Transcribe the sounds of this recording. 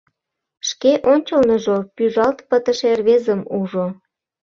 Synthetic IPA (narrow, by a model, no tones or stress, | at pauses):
ʃkeʔonʲt͡ɕəlnəʒopyʒɑlt̪pət̪ə̆ʃerβezəmuʒo